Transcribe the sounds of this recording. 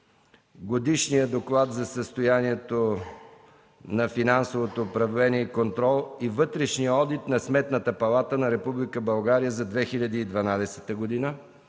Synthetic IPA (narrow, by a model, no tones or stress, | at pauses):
ɡod̪iʃnijəd̪oklˠat̪zɐsəst̪ojaniɛt̪o | nɐfinansovot̪oːpɾɐvlɛnʲiɛikont̪ɾɔlˠivɤt̪ɾɛʃnijəɔd̪it̪nɐsmɛt̪nət̪əpɐlˠat̪ənɐɾɛpublikəbɐlˠɡaɾijəzɐd̪vɛxiʎʲɐd̪iːd̪vɐnad̪ɛsɛt̪əɡod̪inə